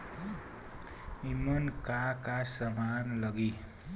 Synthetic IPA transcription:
imʌnkakasʌmanlʌɡi

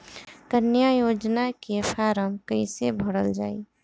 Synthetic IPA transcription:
kənjajod͡ʒnakepʰaɾəmkəɪsebʱəɽəld͡ʒaːi

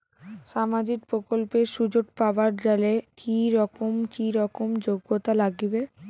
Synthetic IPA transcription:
ʃamad͡ʑik̚pɾokolpeʃud͡ʑoʈpabaɾd͡ʑalekiɾɔkomkiɾɔkomd͡ʑoɡːot̪alaɡibe

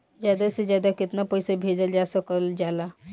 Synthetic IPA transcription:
d͡ʒjad̪ased͡ʒjad̪akit̪napəjsəbʱed͡ʒəld͡ʒasəkəld͡ʒala

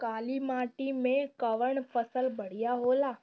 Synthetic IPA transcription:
kaːlimãːʈimẽkəʋəɳpʰəsəlbəɽ̤ijaɦoːlaː

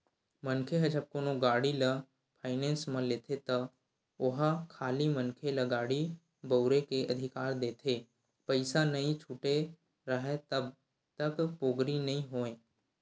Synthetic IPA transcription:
mə̃nkʰeɦɐd͡ʒɐb̚konoɡaːɽilə | pʰaːɪnẽːnsmə̃leːt̪ʰet̪ɐ | ʊɦkʰaːlimənkʰeləɡaːɽi | bəʊɾekeʔɐd̪ʱɪkaːɾd̪eːt̪ʰeː | pəɪsanɐĩt͡ʃʰuːʈe | ɾəɦet̪ɐb | t̪ɐkpoːɡɾinɐɦĩɦoːẽː

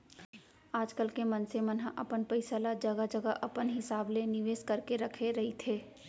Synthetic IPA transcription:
aːd͡ʒkəlkemɐ̃nsemɐnɦaʔɐpənpəɪsəlad͡ʒɐɡad͡ʒɐɡaʔɐpənɦɪsaːblenɪʋeːskɐɾkeɾɐkʰeɾɐɦit̪ʰeː

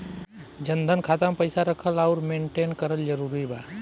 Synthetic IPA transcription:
d͡ʒənd̪ʱənkʰaːt̪əmpəɪsaɾəkʰəlaʊɾmẽːɳʈeːnkəɾəld͡ʒəɾuːɾiba

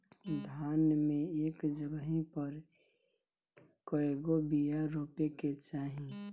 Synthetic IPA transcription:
d̪ʱjaːnmẽeːkd͡ʒəɡəɦĩpəɾ | koeɡobijaɾoːpeket͡ʃaːɦĩ

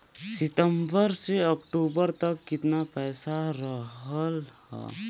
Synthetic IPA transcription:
sɪt̪əmbəɾseɔk̚ʈuːbəɾt̪əkːɪt̪napɛːsaɾəɦəlhɛ̰ː

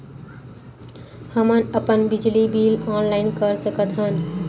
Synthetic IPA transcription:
həmənəpənbid͡ʒlibilɔnlaɪnkəɾsəkət̪ɦən

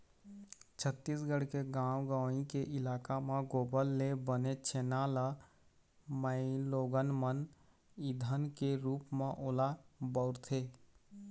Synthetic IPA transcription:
t͡ʃʰət̪ːiːsɡəɽkeɡãːwɡaːĩkeʔɪlaːkamãɡoːbəlːebənet͡ʃʰeːnaːla | məɪloːɡənmən | id̪ʱənkeɾuːpmẽʔolabəʊɾt̪ʰe

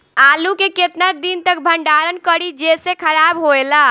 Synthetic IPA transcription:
alukeket̪nad̪int̪əkbʱəɳɖaɾənkəɾid͡ʒesekʰəɾabɦoela

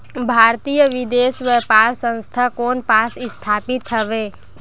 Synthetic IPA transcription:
bʱaːɾt̪iːjəʋɪd̪eːsʋɛːpaːɾsə̃nst̪ʰakoːnpaːsɪst̪ʰaːpɪt̪ɦəʋeː

